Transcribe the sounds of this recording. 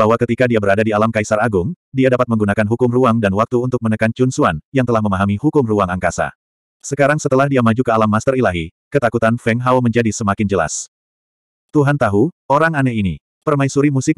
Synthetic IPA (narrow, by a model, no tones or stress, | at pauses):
baɦwakət̪ikadiabəɾadadialamkaisaɾaɡʊŋ | diadapat̪̚məŋɡunakanɦukʊmruaŋdanwak̚t̪uːnt̪ʊk̚mənəkant͡ʃunsuanjaŋt̪əlahməmaɦamihukʊmruaŋaŋkasa̰ | səkaɾaŋsət̪əlahdiamad͡ʒukəalamːast̪ərilaɦikət̪akut̪anfɛŋɦawməɲd͡ʒadisəmakɪnd͡ʒəla̰s | t̪uɦant̪aɦu | oɾaŋanɛini | pərmaisuɾimusɪk̚